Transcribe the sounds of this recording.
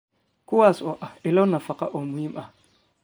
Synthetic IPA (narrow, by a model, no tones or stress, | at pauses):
kuwasɔʔailawnafakaʔomujimʔa